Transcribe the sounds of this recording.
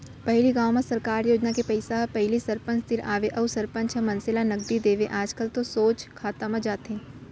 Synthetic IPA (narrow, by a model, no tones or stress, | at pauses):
pɐɦɪliɡãːwmãsɐɾkaːɾjoːd͡ʒnakepɐɪsaɦpɐɦɪlisɐɾpə̃nt͡ʃt̪ɪɾaːʋeʔɐwsɐɾpə̃nt͡ʃɐ̃mɐ̃nsɪlanɐɡ̚d̪id̪eːʋeʔaːd͡ʒkəlt̪osoːt͡ʃkʰaːt̪amãd͡ʒaːt̪ɦẽː